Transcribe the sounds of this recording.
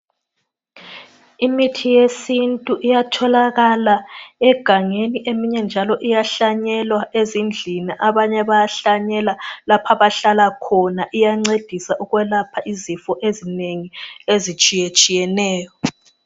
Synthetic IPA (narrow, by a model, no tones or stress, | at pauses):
imitʰijesintʼuʔijatʰɔlaɣalaɛɡ̥ʱaŋeniʔemiɲɛnd͡ʒʱalɔʔijaɬaɲɛlwaʔezind͡ɮʱiniʔaβaɲɛβajaɬaɲɛlalapʰaβaɬalakʰɔnaʔijaŋ͡ǀed̥ʱisaʔuɣwɛlapʰaʔizifɔʔezineŋiezit͡ʃʼijet͡ʃʼijɛnɛːjɔ